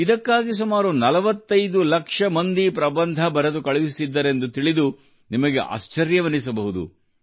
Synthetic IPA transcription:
id̪ɐkːaːɡis̬umaːɾunɐlɐʋɐt̪ːɐjd̪ulɐkʂɐmɐnd̪ipɾɐbɐnd̪ʱɐbɐɾɐd̪ukɐɭuʋisid̪ːɐɾe̞nd̪ut̪iɭid̪u | nimɐɡe̞̰ʔa̰ːst͡ʃɐɾjɐʋɐnis̬ɐbɐɦud̪ṵ

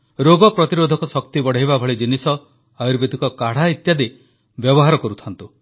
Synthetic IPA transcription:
ɾoɡɔpɾɔt̪iɾod̪ʱɔkɔsɔkt̪ibɔɽ̤eɦjbabʱɔɭed͡ʒinisɔ | ajuɾbed̪ʱikɔkaɽ̤ait̪jad̪i | bjɔbɔɦaɾɔkɔɾut̪ʰɔnt̪u

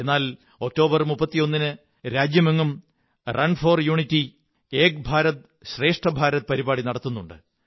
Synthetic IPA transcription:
enːaːl | o̞k̚tːo̞ːbɐrmupːɐt̪ːijo̞nːinɨ | ɾaːd͡ʑjɐmeŋːum | rʔɐnfo̞ːrjuːɳitːi | eːkbʱaːɾɐt̪ | ɕre̞ːʂʈrɐbʱaːɾɐt̪̚pɐɾibaːɽinɐɽɐt̪ːunːuɳɖɨ̰

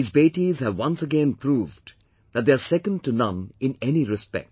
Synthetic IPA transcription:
izbeɪʈizhɨvwʌ̃nsəɡɛ̃npʰɾuːv | ðɨt̚d̪esɛkə̃nd̚tɨnʌ̃nɪ̃nɛniɾɨspɛ̰k̚t̚

